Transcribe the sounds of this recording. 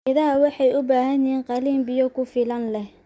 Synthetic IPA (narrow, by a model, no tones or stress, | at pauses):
ɪðaːwɑħɑjʊbaːɦɐniːnqɑliːmbɪjɔkʰʊfɪlɐnlɛh